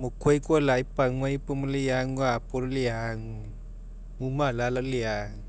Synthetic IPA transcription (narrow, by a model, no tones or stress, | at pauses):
mokʰwojkolajpaŋwajpumalijaŋwapoɾliaŋ | mumalalaliaŋ